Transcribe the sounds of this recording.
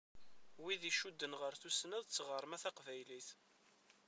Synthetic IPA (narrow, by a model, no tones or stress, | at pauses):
wiðiʃud̪ːənʁəɾθusnæðt͡sːʁəɾˤmæθæqvæjliθ